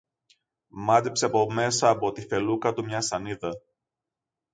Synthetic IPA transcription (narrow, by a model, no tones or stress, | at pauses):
mɐt̪epseɐpo̞me̞sɐːpo̞t̪ife̞lukɐt̪umɲɐsɐniðɐ